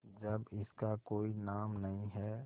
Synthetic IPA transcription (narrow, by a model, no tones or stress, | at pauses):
d͡ʒɐbɪskakoːinaːmnɐɦĩɦɛː